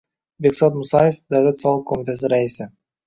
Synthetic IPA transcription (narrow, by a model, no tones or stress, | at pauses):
beksot̪mʊsajefd̪awlʲet̪sɑlˠəq̚kʰomʲit̪as̬ɪɾaisɪ